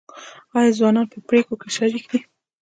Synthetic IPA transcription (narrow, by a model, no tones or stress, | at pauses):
ɑjɑzwɑnɑnpəpɾekokeʃaɾikd̪i